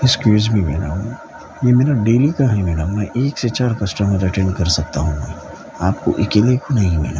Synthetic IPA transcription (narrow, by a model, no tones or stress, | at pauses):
ɪskjuːzmʱimɛːna̰ɦũ | jemeːɾaɖeːlikaɦɛmɛːɖəmːɛ̃ʔeːkset͡ʃaːɾkɐsʈəməɾɐʈẽːɳɖkɐɾsɐk̚t̪aɦũmḛ | aːp̚ko̰ʔɪkeːlekonɐɦĩmḛːna